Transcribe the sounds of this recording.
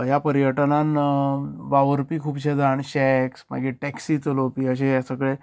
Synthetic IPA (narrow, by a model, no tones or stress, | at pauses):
ɦjapəɾjəʈənan | ʋaʋəɾpiːkʰuːbɕed͡zaɳɕɛksma̰ɡeʈɛksiːt͡s̪əlopiːəɕẽjasəkəɭe